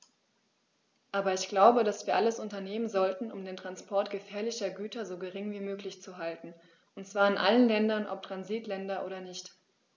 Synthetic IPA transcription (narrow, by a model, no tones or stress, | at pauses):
ʔaːbɐɪçɡ̥laʊbədasv̥iːɐʔaləsʔʊntɐneːmənzɔltn̩ʔʊ̰mdeːntʁ̥anspʰɔɐtɡ̥əfɛːɐlɪçɐɡyːtɐzoːɡəʁɪŋviːmøːklɪçt͡suɦaltn̩ | ʔʊntt͡sv̥aːɐɪnʔa̰lənlɛndɐnʔɔ̰p̚tʁ̥anziːtlɛndɐʔoːdɐnɪçt